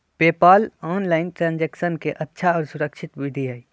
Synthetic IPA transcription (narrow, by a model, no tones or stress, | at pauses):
peːpaːlɔːnlaːɪnʈɾãːnd͡ʒeːkʃənkeʔɐtːʃʰaɔːɾsʊɾəkʃʰɪt̪ʋɪd̪ʱijaːi